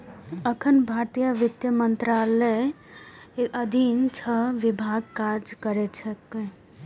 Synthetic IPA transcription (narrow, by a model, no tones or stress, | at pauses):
əkʰənbʱaːɾt̪ijaʋɪt̪jəmənt̪ɾaləj | əd̪ʱint͡ʃʰəʋɪbʱaːɡkaɾd͡ʒkəɾet͡ʃʰək